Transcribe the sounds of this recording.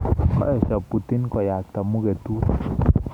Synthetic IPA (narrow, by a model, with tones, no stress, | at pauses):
kɔ̰˦ʔɛ˨ʃa˨pu˨t̪i˦nkɔ˨ja˨k̚t̪a˨mu˦ɡe˨t̪u˦